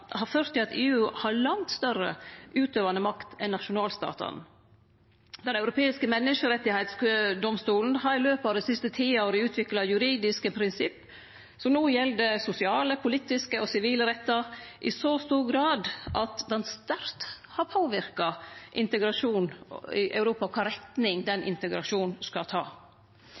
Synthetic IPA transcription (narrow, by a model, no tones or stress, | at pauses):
hɑɾføːɾt̪ːɪlɑt̪eːʉːhɑɾlɑŋt̪st̪œrə̰ʔʉːt̪øːʋɑnəmɑkt̪ʰɛnːɑʃʊnɑːlst̪ɑ̰ːt̪ɑ̰n | d̪ɛnɑʉɾʊpʰeːɪskəmɛnːəʂəɾɛt̪ːɪhæɪt̪skd̪ɔmst̪uːln̩ɦɑɾɪløːpɑd̪ɛsɪst̪ət̪ʰiːɑoːɾəʉːt̪ʰʋɪklɑjʉɾiːd̪ɪskəpʰɾɪnsɪpː | sɔmnuːjɛld̪əsʊsɪɑːləpʰʊliːt̪ɪskəɔsɪʋiːləɾɛt̪ːɑʔɪsost̪uːɾɡɾɑːd̪ʔɑt̪d̪ɛnst̪æɾt̪ | hɑɾpʰoːʋɪɾkɑʔɪnt̪əɡɾɑʂuːnɪʔɑ̰ʉɾuːpɑkʰɑːɾɛt̪nɪŋd̪ɛnʔɪ̰nt̪əɡɾɑʂuːnskɑt̪ʰɑ̰ː